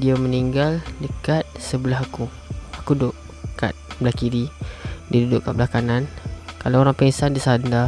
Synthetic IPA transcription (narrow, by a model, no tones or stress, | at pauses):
diaməniŋɡaldəkat̪̚səbəlaɦaku | akudʊʔ | ka̰t̪̚blakiɾidiadudʊʔkaʔ̚bəlakanankalaoɾaŋpəsandisanda